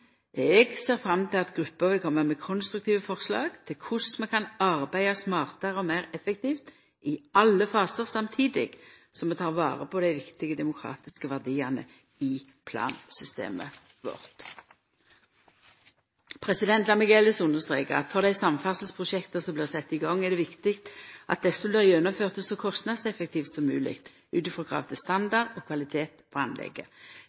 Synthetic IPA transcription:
ɛɡseːʁfɾɑmt̪ʰɪlɑt̪ɡʁʉpːəʋɪlkʰɔmːəmɛkʰɔnst̪ɾʉk̚t̪ʰiːʋəfɔʁslɑ̰ːɡt̪ʰɪlkʰʊsmɛkʰɑnɑʁbæɪɑsmɑːʁt̪əʁəɔmæɪʁɛfɛk̚t̪ʰiːft̪ | ɪɑlːəfɑːsəʁsɑmt̪ʰiːd̪ɪ̰ɡ̥ | sɔmɛt̪ʰɑːʁʋɑ̰ːʁəpʰɔd̪æɪʋɪkt̪ɪɡəd̪ɛmʊkʰɾɑ̰ːt̪ɪskəʋæʁd̪iːɑnə̰ | ɪ | pʰlɑ̰ːnsʏst̪ḛːmə̰ | ʋɔ̰ʁt̪ | pʰʁɛsɪd̪ɛnt̪lɑmɪkɛləsʊnəʁst̪ʁeːkəʁɑ̰t̪fɔʁd̪æɪsɑmfɑsl̩spʰʁʊʃɛkt̪əsɔmbliːʁsɛt̪ːɪɡɑŋːɛʁd̪ɛʋɪkt̪ɪkt̪ʔɑ̰t̪̚d̪ɛsəbliːʁjɛnːʊmføːʁt̪əsɔkʰɔst̪nɑd̪sɛfək̚t̪iːft̪sɔmːʉ̰ːlɪ̰kt̪ | ʔʉːt̪ɪfʁɔɡʰʁɑ̰ːʋt̪ʰɪst̪ɑnd̪ɑʁd̪ɔkʰʋɑlɪt̪ʰeːt̪pʰɔɑnlɛ̰ɡə̰

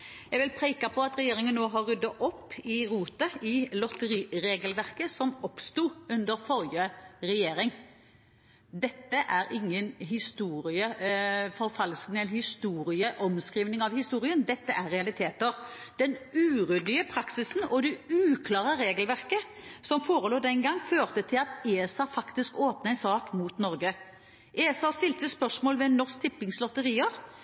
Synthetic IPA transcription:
jɛɡʋɪlpʰɾeɪkɑpʰɔɑt̪ɾɛjeːɾɪŋənːoːɦɑɾːʉd̪ːɑʔɔpːɪɾuːt̪əɪlɔt̪əɾiːɾeːɡəlʋæʁkəsɔmɔpst̪uːʉnd̪əɾfɔɾjəɾɛjeːɾɪŋ | d̪ɛt̪ːəʔæɾɪŋːənɦɪst̪uːɾɪəfɔɾfɑlsknɪɛləhɪst̪uːɾɪəʔɔmskɾiːʋnɪŋɑʋhɪst̪uːɾɪənd̪ɛt̪ːəʔæɾɾɛɑlɪt̪ʰeːt̪əʁd̪̥ɛnʉːʁʉd̪lɪəpʰɾɑksɪsn̩ɔd̪ɛʉːkʰlɑːʁəɾeːɡəlʋæʁkə | sɔmfoːɾəloːd̪ɛŋɡɑŋːføːʁt̪ət̪ʰɪlɑt̪eːɛsɑfɑkt̪ɪskoːpnəɛɪnsɑːkmuːt̪nɔɾɡə | ʔeːsɑːst̪ɪlt̪əspœʂmoːlʋɛnɔsk̚t̪ʰɪpːɪŋslɔt̪əɾiːəɾ

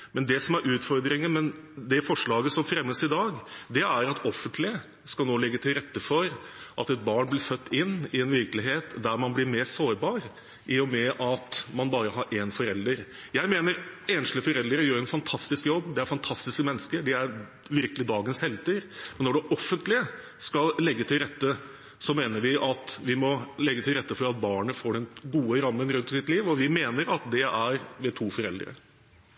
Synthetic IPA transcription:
mɛnd̪ɛsɔmæɾʔʉːt̪fɔɾd̪ɾɪŋəmɛn | d̪ɛfɔʂɭɑːɡəsɔmfɾɛmːəsɪd̪ɑːɡd̪ɛæɾɑt̪ɔfːənt̪ʰlɪə | skɑlnoːlɪɡːət̪ʰɪlɾɛt̪ːəfɔɾʔɑt̪ɛt̪̚bɑːɳblɪɾfœt̪ːɪnːɪɛnʋɪɾklɪɦeːt̪d̪æɾmɑnblɪɾmeːsoːɾbɑːɾ | ʔɪɔmɛʔɑt̪mɑnbɑːɾəɦɑɾʔɛnfɔɾɛld̪əɾ | jæɪmeːnəɾeːnʃləfɔɾɛld̪ɾəjøːɾɛnfɑnt̪ʰɑst̪ɪskjɔbːd̪ɛæɾfɑnt̪ʰɑst̪ɪskəmɛnːəskəd̪ɛæɾ | ʋɪɾkəlɪd̪ɑːɡənshɛlt̪ʰɪɾmɛnːɔɖɛʔɔfːənt̪lɪə | skɑllɛɡːət̪ʰɪlɾɛt̪ːə | sɔmeːnəɾʋɪʔɑt̪ʋɪmɔlɛɡːət̪ʰɪlɾɛt̪ːəfɔɾɑt̪̚bɑːɳəfoːɖɛnɡuːəɾɑmːənɾʉnt̪sɪt̪liːʋɔʋɪmeːnəɾɑt̪̚d̪ɛʔæɾʋɛt̪ʰuːfɔɾɛ̰ld̪ɾə̰

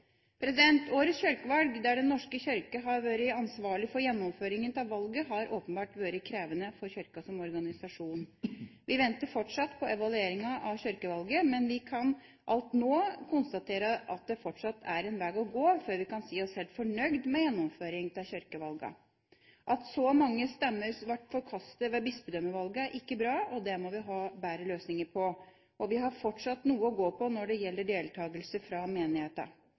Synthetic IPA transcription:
pʰɾɛsɪd̪ɛnt̪ʰoːɾəsçœɾkəʋɑlɡd̪æɖɛnːɔʂkəçœɾkəɦɑʋøːɾɪɑnsʋɑːɭɪfɔɾjɛnːɔmføːɾɪŋənt̪ʰɪlʋɑlɡəɦɑɾʔoːpənbɑːʈʋøːɾəkʰɾeːʋənəfɔɾçœɾkɑsɔmɔɾɡɑnɪsɑʂuːnʋɪʋɛnt̪əɾfɔʈʂɑt̪pʰɔɛʋɑlʉeːɾɪŋɑʔɑʋçœɾkəʋɑlɡəmɛnʋɪkʰɑn | ʔɑlt̪noːkʰʊnst̪ɑt̪ʰeːɾəʔɑt̪̚d̪ɛfɔʈʂɑt̪ʰːæɾɛnʋæːɡɔɡoːfɔɾʋɪkɑnsiːɔshɛːlt̪fɔɳœɡd̪mɛjɛnːɔmføːɾɪŋt̪ʰɪçœɾkəʋɑlɡɑ̰ | ʔɑt̪sɔmɑŋːəst̪ɛmːəɾsʋæʈːfɔɾkʰɑst̪əʋɛːbɪspəd̪œmːəʋɑlɡəæɾʔɪkːəbɾɑːɔd̪ɛmɔʋɪɦɑːbæːɾəløːsnɪŋəɾpʰɔ | ʔɔʋɪɦɑɾfɔʈʂɑt̪ːnuːəɔɡoːpʰɔnɔɖɛjɛlːəɖeːlt̪ʰɑːɡəlsəfɾɑmeːnɪheːt̪ɑ̰

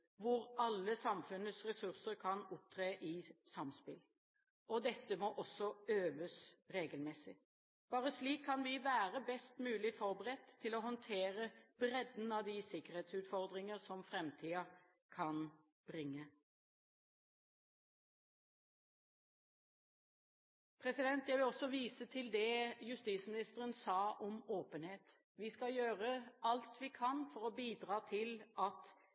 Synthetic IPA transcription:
ʋʊɾɑlːəsɑmfʉnəsʁɛsʉʁsəɾkʰɑnʊp̚t̪ʰɾeːʔɪsɑmspɪl | ɔd̪ɛt̪ːəmoːʔɔsːɔøːʋəsʁeːɡəlmɛsɪ | b̥ɑːʁəsliːkʰːɑnʋɪʋæːɾəbɛst̪mʉːlɪfɔɾbəʁɛt̪ʰːɪlɔːɦɔnt̪ʰeːɾəb̥ɾɛd̪n̩ɑʋd̪ɪsɪkəʁheːt̪sʉːt̪fɔʁd̪ʁɪŋəʁsɔmfɾɛmt̪ʰiːɑ | kʰɑn | b̥ʁɪŋːə | pʰʁɛsɪd̪ɛnt̪jæɪʋɪlɔsɔʋiːsət̪ʰɪld̪ɛjʉst̪iːt̪smɪnɪst̪əʁənsɑːʔɔmoːpənheːt̪ | ʋiːskɑjøːʁəɑlt̪ʋiːkʰɑnfɔʁoːbiːd̪ʁɑːt̪ʰɪlɑt̪

